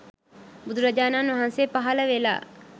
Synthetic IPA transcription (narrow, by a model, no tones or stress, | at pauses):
bud̪uɾɐd͡ʒaːnaːnʋɐɦanseːpaɦɐləʋela̰ː